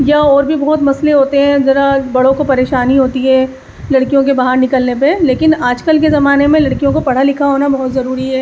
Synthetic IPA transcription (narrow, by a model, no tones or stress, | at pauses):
jɐɔːɾbʱibɔɦʊt̪mɐsleɦoːt̪eɦɛ̃d͡ʒɐɾabɐɽ̤õkopɐɾeːʃaːniɦoːt̪iɦɛ̃ | lɐɽkijõkebaɦaɾnɪkəlnepeleːkɪnaːd͡ʒkəlkezɐmaːnemẽlɐɽkijõkopɐɽ̤alɪkʰaɦoːnabɔɦʊt̪zɐɾuːɾiɦɛː